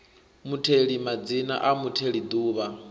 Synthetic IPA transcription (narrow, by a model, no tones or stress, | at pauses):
mutʰeɺimad͡zina̰ʔamutʰeɺid̪uːβa